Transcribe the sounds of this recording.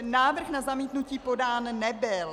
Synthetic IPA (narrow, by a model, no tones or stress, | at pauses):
naːvr̩xnazamiːt̪nuciːpo̞daːnːɛbɪl